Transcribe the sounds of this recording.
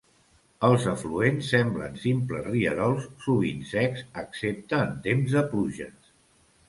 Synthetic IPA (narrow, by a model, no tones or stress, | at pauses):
əlˠzəfluensːɛmblə̰nsimpləzriə̰ɾɔlˠsːuβ̞insɛksəksep̚t̪əːnt̪emzðəpluʒə̰s